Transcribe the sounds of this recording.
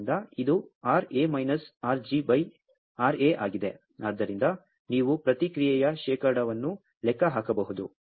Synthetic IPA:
nd̪ɐid̪uaːɾeːmɐjnɐsaːɾd͡ʒibɐj | aːɾeʔaːɡid̪e̞ | aːd̪ːɐɾind̪ɐ | niːʋupɾɐt̪ikɾijɛjɐʃɛːkɐɾɽɐʋɐnːu | lɛkːɐɦaːkɐbɐɦud̪u

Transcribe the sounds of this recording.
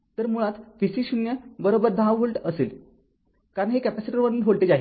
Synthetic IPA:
t̪əɾmuɭat̪fisiːɕunjəbəɾobəɾd̪ʱaʋɦoɭʈəseːl | kaɾəɳɦekæpæsiʈəɾʋəniːnɦoɭʈed͡zaɦi

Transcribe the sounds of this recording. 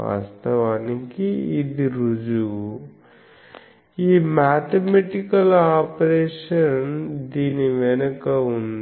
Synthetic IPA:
a̰ːst̪ɐʋaːnikiːd̪iɾud͡ʒu | iːmaːt̪emeʈikɐlaːpɾeːʃɐnd̪iːniʋenɐkɐun

